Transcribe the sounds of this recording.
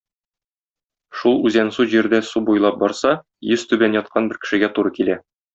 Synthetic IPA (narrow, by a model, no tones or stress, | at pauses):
ʃulˠʉzænsuʑiɾd̪æsubujlˠɑp̚bɒɾsɑ | jɵz̥t̪ʉbænjɒt̪̚qʰɑnbɘɾkɘ̥̆ʃɘ̆ɡæt̪uɾɤkilæ